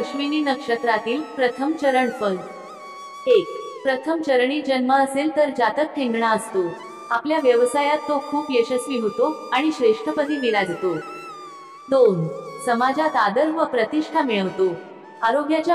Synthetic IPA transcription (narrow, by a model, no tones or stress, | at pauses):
ɕʋininəkʂət̪ɾat̪iːlpɾət̪ʰəmt͡ɕəɾəɳfən | ek̚pɾət̪ʰəmt͡ɕəɾɳiːd͡ʑənməəselt̪əɾd͡ʑat̪ək̚ʈʰẽŋɡɳaəst̪o | apljaʋjəʋsajat̪ːokʰuːpjeɕəsʋiɦot̪oaɽ̃iɕɾeʂʈʰəpət̪iːmilad͡zʱet̪o | d̪onsəmad͡zat̪ad̪əɾʋəpɾət̪iʂʈʰamiɭəʋt̪o | aɾoɡjat͡ɕa